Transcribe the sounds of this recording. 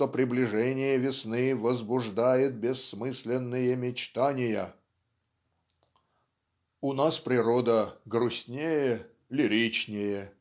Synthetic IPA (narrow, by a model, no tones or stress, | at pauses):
opɾʲɪblʲɪʐɛnʲɪjəvʲɪsnɨvəzbʊʐd̪ajɪt̪̚bʲɪsːmɨsʲlʲɪnːɨjəmʲɪt͡ɕt̪anʲɪjə | ʊnaspɾʲɪɾod̪əɡɾʊsʲnʲejə | lʲɪɾʲit͡ɕnʲɪjə